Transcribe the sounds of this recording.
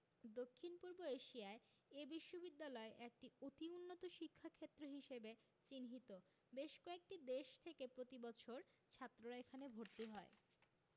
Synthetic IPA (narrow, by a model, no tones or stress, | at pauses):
d̪okʰːinpuɾboeʃiae | ebiʃːobid̪ːalɔeʔek̚ʈiot̪iunːot̪oʃikʰːakʰet̪ːɾoɦiʃebe | t͡ɕinɦit̪o | beʃkɔek̚ʈid̪eʃt̪ʰekepɾot̪ibɔt͡ɕʰoɾ | t͡ɕʰat̪ːɾoɾaekʰanebʱoɾt̪iɦɔe